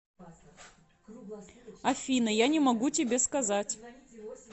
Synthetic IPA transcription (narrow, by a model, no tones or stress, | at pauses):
ɐfʲinɨjanʲɪmɐɡutʲɪbʲeskɐzatʲ